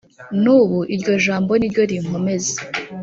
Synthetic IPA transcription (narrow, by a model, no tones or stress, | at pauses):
nuːβuʔiɾɟo̞ʒaːmbo̞niɾɟo̞ɾiŋ̥o̞me̞ze̥